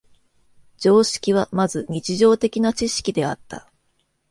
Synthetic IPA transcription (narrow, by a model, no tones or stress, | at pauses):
d͡ʑo̞ːɕi̥kʲiβ̞amazɨɲ̟it͡ɕiʑo̞ːt̪e̞kʲinat͡ɕiɕi̥kʲid̪e̞at̪ːa̰